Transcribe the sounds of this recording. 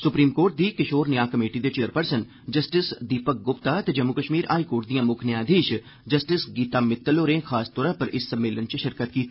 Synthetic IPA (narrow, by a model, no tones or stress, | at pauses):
sʊpɾiːmkoːɾʈ̚d̪iːkɪʃoːɾnɪjaːkɐmeːʈid̪et͡ʃeːɾpəɾsən | d͡ʒɐsʈɪsd̪iːpək̚ɡʊpt̪at̪ed͡ʒɐmːukəʃmiːɾa̰ːikoːɾʈ̚d̪ijãːmʊkʰnjãːd̪ʱeːʃ | d͡ʒɐsʈɪsɡiːt̪aːmɪt̪ːəloːɾẽːxʰaːst̪ɔːɾapɐɾʔɪsːəmːeːlənt͡ʃəʃɪɾkət̪kiːt̪